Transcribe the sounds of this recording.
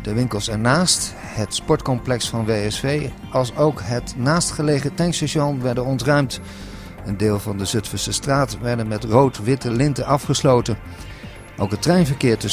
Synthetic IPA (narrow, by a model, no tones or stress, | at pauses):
dəʋɪŋkəlˠsɛɹnaːst | hətspɔɹtkɔmplɛksfɑnʋejɛsfej | ɑlˠsowkɦətnaːstχəlejχətɛŋkseʃɔnʋɛɹdənɔntrœɥmt | əndɪːlˠvɑndəzɵtfəɹsəstraːtʋɛɹdənmɛtrowtʋɪtəlɪntəʔɑfχəslowtən | ʔowkɦətrɛɥnvəɹkɪːɹtɵ